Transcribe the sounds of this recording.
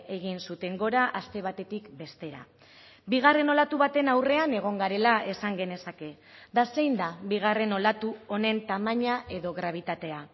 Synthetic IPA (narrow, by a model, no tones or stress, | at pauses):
e̞ɣ̞insut̪e̞ŋɡo̞ɾaʔast̪e̞β̞at̪e̞t̪ikbe̞st̪e̞ɾa̰ | biɣ̞are̞no̞lat̪uβat̪e̞nawre̞ane̞ɣ̞o̞ŋɡaɾe̞lae̞saŋɡe̞ne̞sake̞ | d̪ase̞jnd̪abiɣ̞are̞no̞lat̪uo̞ne̞nt̪amaɲaʔe̞ðo̞ɣɾaβ̞it̪at̪e̞a